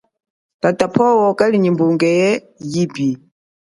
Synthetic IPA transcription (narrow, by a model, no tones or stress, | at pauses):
tatapʰɔwɔkaliɲimbuŋɡɛjɛ | jipi